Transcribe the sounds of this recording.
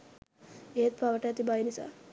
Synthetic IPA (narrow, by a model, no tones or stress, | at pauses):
ejet̪paʋəʈəɛt̪ibajnisa̰ː